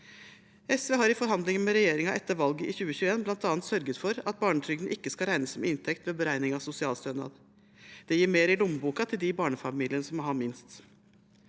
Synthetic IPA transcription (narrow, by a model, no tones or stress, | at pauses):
ɛsʋeːɦɑɾɪfɔɾɦɑnd̪lɪŋənmɛɾɛjeːɾɪŋɑʔɛt̪ːəɾʋɑlɡəʔɪçʉːəçʉːəeːnblɑnt̪ɑːnt̪sœɾɡət̪fɔɾɑt̪̚bɑːɳət̪ʰɾʏɡ̪n̩ʔɪkːəskɑɾæɪnəsːɔmɪnt̪ʰɛkt̪ʋeːbəɾæɪnɪŋɑsʊsɪɑːlst̪œnɑ̰ːd̪ | d̪̥ɛjiːɾmeːɾɪlʊmbuːkɑt̪ʰɪld̪ɪbɑːɳəfɑmiːlɪənəsɔmɔɦɑmɪnst̪